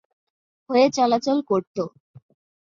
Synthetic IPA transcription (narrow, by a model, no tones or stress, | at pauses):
ɦoet͡ɕɔlat͡ɕolkoɾt̪o